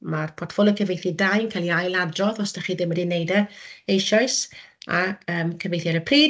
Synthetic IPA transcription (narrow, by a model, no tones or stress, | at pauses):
marpʰɔtʰfɔlˠəkʰəvejθidajnkʰalˠiajlˠadrɔðɔsd̥əχiːðɪmːədinejdəejʃɔɨsa̰əːmkʰəvejθɛɾəpʰriː